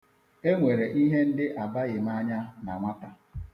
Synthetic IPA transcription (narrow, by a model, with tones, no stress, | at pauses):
e˦ŋʷe˨ɾe˨ʔi˦ɦe˦n̩˦dɪ˦ʔa˨ba˦ɣɪ˨ma˦ɲa˦na˨ŋʷa˦ta˨